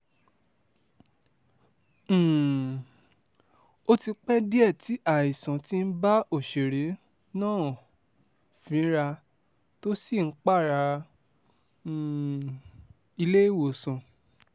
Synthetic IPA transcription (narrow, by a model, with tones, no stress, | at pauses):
o˦ti˧k͡pɛ˦di˦ɛ˦˨ti˨˦ʔa˦˨i˨sã˨ti˦n̩˦ba˦o˦˨ʃe˨ɾe˨˦ | nãː˦˨ | fĩ˨˦ɾa˧ | to˦si˦˨ŋ̩˦k͡pa˦˨ɾa˧˨ | i˧le˦i˦˨wo˨sɔ̃˨